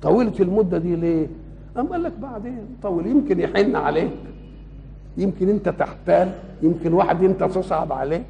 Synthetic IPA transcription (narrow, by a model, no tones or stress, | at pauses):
t̪ˤɑwiːlt̪elmʊd̪ːæd̪iːleː | ʔæmʔælːæk̚baʕd̪eːnt̪ˤɑwiljemkɪnjeħenːʕa̰leːk | jemkɪnʔɪnt̪æt̪ɪħt̪æːl | jemkenwaːħed̪ʔɪnt̪æt̪esˤʕɑbʕa̰leːk